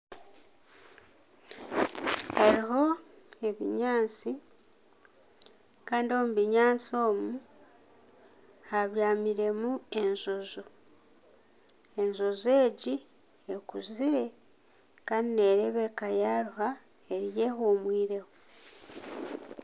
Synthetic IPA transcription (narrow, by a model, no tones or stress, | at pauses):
haɾiho̞e̞βḭɲaːnt͡si | kaːndio̞muβiɲaːnt͡sio̞ːmu | haβjaːmiɾe̞mue̞nzo̞zo | e̞ɲzo̞ze̞ːɟi | ekuziɾe̞ | kanine̞ːɾeβe̞kajaɾuha | e̞ɾije̞hoːmwiːɾe̞ho